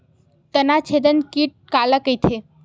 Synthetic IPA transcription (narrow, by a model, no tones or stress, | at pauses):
t̪ənat͡ʃʰed̪ənkiʈ̚kaləkəjt̪ʰe